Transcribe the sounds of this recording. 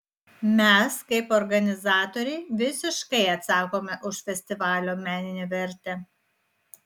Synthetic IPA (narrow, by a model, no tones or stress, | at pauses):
mʲɛskɐɪpɔɾɡɐnʲɪzɑːt̪ɔːɾʲɛɪʋʲɪsʲɪʃkɐɪɐt̪sɑːkoːmʲɛʔʊʃfʲɛsʲt̪ʲɪʋɑːlʲoːmʲæːnʲɪnʲeːʋʲɛɾʲˑt̪ʲɛ